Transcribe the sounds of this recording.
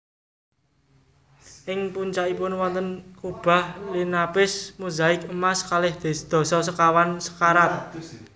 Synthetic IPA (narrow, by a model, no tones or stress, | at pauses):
ʔɪŋpuɲt͡ʃaʔipʊnwɔnt̪ənkub̥a̤hlinapɪsmuzaɪkəmaskalɪhd̪̥e̤sd̪̥ɔ̤sɔsəkawansə̥kaɾat̪̚